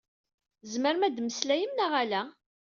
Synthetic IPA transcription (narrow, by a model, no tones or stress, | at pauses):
zməɾmæd̪məslæjəmnaʁælæ